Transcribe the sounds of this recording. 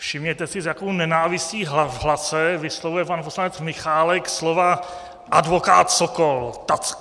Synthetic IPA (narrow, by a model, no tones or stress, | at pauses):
fʃɪmɲɛt̪ɛsɪzjakownɛnaːvɪsciːɦvɦlasɛvɪslovujɛpanposlanɛt͡smɪxaːlɛkslova | ʔadvoka̰ːt̪sokolt̪at͡sk